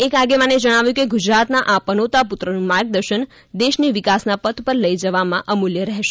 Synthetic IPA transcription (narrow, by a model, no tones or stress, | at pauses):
ekaɡemãned͡ʒəɽ̃aʋjũkeɡud͡ʒɾat̪naʔapənot̪aput̪ɾənũmaɾɡ̚d̪əɾʃən | d̪eʃniʋɪkasnapət̪ʰpəɾləjd͡ʒəʋamãʔəmuljəɾɛɦʃe